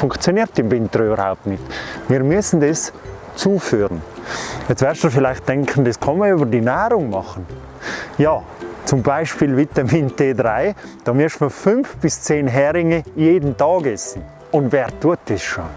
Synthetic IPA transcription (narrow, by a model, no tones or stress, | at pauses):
fʊŋkt͡sjoniːɾtɪmvɪntəɾyːbəɾha̰ʊp̚tnɪtmiːɾmyəsn̩dɛs | t͡suːfyːɾənɛt͡svɛɾstufɪlaɪxt̚d̥ɛŋkχəndɛskʰɑnməɐyːbəɾdinaːɾʊŋmɑχən | jɑː | t͡sʊmbaɪʃpiːlvitɐminteːdɾaɪd̥ɑːmɪʃməfʏnfb̥ɪst͡seːnɦɛɾɪŋəjeːdən̩tɑːɡɛsn̩ | ʊndvɛːɾtuət̚d̥ɛsʃo